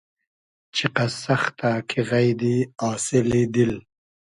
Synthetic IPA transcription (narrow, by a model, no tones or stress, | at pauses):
t͡ʃʰiqasaxt̪akʰiɣajd̪iɑːsɪlid̪il